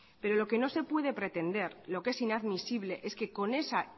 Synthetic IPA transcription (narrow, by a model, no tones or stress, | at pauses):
pe̞ɾo̞lo̞ke̞no̞se̞pwe̞ð̞e̞pɾe̞t̪e̞nd̪e̞ɾlo̞ke̞sinaðmisiβ̞le̞ʔe̞ske̞ko̞ne̞sa